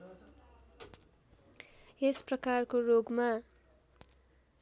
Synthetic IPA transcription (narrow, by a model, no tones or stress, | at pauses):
esprʌkarkoroɡma